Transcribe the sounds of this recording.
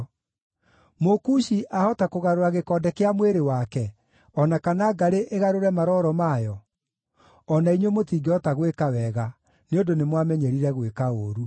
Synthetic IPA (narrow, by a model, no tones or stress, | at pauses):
mokuʃiʔahɔtakoɣaɾoaɣekɔːdɛkeamweɾewakɛ | ɔnakanaɡaɾeʔeɣaɾoɾɛmaɾɔɾɔmaːjɔ | ɔnaiɲwemotiːɡɔtaɣwekawɛɣa | neondonemwamɛɲɛɾiɾɛɣwekaoːɾu